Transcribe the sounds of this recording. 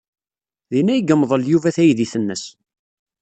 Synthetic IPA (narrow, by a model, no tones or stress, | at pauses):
ðinæjəɡəmːðˤəljuvæθæjðiθənːəs